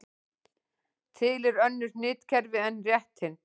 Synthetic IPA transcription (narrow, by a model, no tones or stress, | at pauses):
t̪ʰɪlɛɾœnːʏɾnɪːt̪cʰɛɾvɪɛnːrjɛht̪hɪn